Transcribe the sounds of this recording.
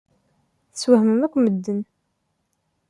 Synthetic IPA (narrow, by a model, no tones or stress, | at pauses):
θəswəhməmækʷːməd̪ːən